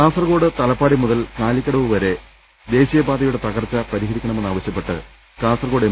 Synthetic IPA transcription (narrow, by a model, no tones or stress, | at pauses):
kaːsɐrɣo̞ːɽɨt̪ɐlɐpːaːɽimuðɐlkaːlikʲːɐɽɐʋuʋɐɾe̞ | d̪e̞ːɕijɐbaːd̪ɐjuɽe̞t̪ɐɣɐrt͡ɕːɐpɐɾiɦɐɾikʲːɐɳɐme̞nːaːʋɐɕjɐpːe̞ʈːɨ̰ | kaːsɐrko̞ːɽe